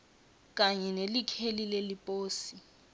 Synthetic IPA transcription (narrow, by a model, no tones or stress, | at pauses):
k̬ʼaɲɛnelikʰelilelipʼoːsi